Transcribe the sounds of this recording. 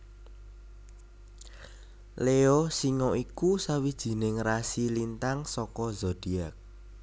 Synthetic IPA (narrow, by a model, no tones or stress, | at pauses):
leosiŋɔikusawid̥ʒ̥i̤nɪŋrasilint̪aŋsɔkɔzɔd̥i̤ak̚